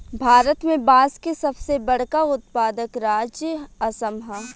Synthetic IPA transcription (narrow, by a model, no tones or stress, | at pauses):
bʱaːɾət̪mẽbaːskesɐbsebɐɽ̤kaʊt̪paːd̪əkɾaːd͡ʒjəɐsəmɦa